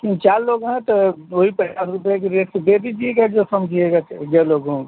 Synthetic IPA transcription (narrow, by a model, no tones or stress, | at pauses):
kĩt͡ʃaɾloɡɦɛ̃t̪ɔoɦipət͡ʃasɾupjak̬eɾest̪b̪ed̪id͡ʒieɡad͡ʒosəmd͡ʒʱieɡad͡ʒɛloɡũ